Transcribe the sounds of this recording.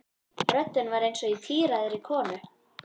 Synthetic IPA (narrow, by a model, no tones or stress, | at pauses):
rœt̪ːʏnvaɾejnsɔit̪ʰiːɾaðɪɾikʰɔːnʏ